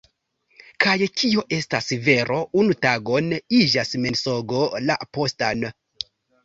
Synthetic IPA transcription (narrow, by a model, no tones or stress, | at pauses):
kʰajkʰio̞ʔe̞stasive̞ɾo̞ʔunutaɡo̞nid͡ʒasme̞nso̞ɡo̞la̰po̞stan